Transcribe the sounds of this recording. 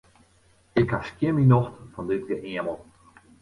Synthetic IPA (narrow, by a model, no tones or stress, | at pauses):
ɪkhaskjɪminoxtfɔndɪt̚ɡəʔiəməlˠ